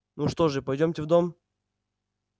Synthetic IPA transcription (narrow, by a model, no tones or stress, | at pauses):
nuʂt̪o̞ʐɨpɐjdʲomʲtʲɪvd̪om